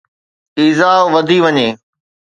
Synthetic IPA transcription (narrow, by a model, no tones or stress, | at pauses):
iːzaːʋɐd̪ʱiʋɐɲeː